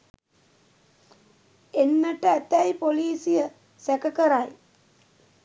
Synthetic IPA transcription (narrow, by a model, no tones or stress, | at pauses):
enːəʈəæt̪æjpoliːsijə | sækəkəɾaj